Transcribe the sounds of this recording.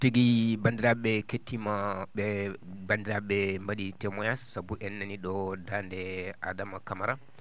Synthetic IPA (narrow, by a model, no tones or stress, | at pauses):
tiɡibandiɾaɓɛketːimaɓɛbandiɾaɓɛmbaɗitɛmɔjasːabuʔɛnːaniɗɔdandɛʔadamakamaɾa